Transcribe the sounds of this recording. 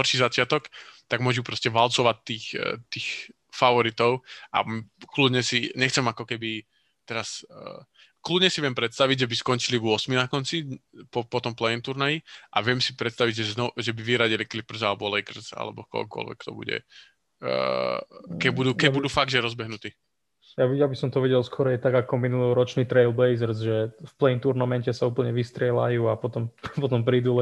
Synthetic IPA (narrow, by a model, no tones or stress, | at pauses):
ɦɔrʃizat͡ʃɪat̪ɔkt̪aɡmʊɔʒupɾɔscɛʋalt͡sɔʋac̚t̪ːiːxt̪iːx | faʋɔɾit̪ɔʊʔa̰klud̪ɲɛsiɲɛxt͡sɛmakɔkɛbi | t̪ɛɾas | klud̪ɲɛsiʋɪɛmpɾɛt̪st̪aʋiɟʒɛbiskɔnt͡ʃiliʋʊɔsminakɔnt͡sipɔpɔt̪ɔmplɛjɛnt̪uɾnajiʔaʋɪɛmsipɾɛt̪st̪aʋiɟʒɛznɔʒɛbiʋiɾaɟiliklipr̩zalɛbɔlɛjkr̩za̰lɛ̰bɔkɔ̰kʊɔ̰lʋɛ̰kːt̪ɔ̰bṵɟɛ̰ | kɛbud̪uːkɛbud̪uːfaɡʒɛɾɔzbɛɦnut̪iː | jabiabisɔmt̪ɔʋɛɟɛlˠskɔɾɛajt̪aɡakɔminulɔɾɔt͡ʃniːt̪ɾɛɪlbɛjzɛɾzʒɛfplɛint̪uɾnamɛncɛsauːpl̩ɲɛʋist̪ɾɪɛla̰juːapɔt̪ɔmpɔt̪ɔmpɾiːd̪ulɛ